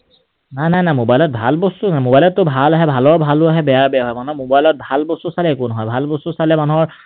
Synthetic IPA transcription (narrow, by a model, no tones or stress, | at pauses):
najnajnajmobajlɔt̚bʱa̰lbostunajmobajlɔtːʊbʱalaɦɛbʱalɔɹbʱalʊaɦɛbɛjaɹbɛjaɦɔjmanumobajlɔt̚bʱalbostusalɛekʊnɔɦɔjbʱalbosusalɛmanuɦɔɹ